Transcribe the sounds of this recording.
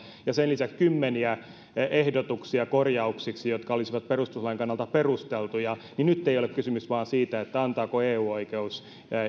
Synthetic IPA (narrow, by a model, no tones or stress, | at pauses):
jɑsenlisækskymːeniæ | ehdot̪uksiɑkorjɑuksiksijot̪kɑolisiʋɑt̪̚perust̪uslɑiŋkɑnːɑlt̪ɑperust̪elt̪ujɑninyt̪ːeijolekkysymysʋɑːnsiːt̪æet̪ːæɑnt̪ɑːkoeːuːoikeus